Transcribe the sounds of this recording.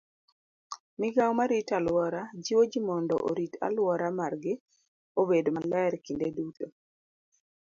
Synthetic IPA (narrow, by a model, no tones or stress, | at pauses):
mɪɡawmaɾitalwɔɾad͡ʒiwod͡ʒimɔndɔ̰ʔo̰ɾita̰lwɔɾamarɡɪ | obedomalɛɾkindeduto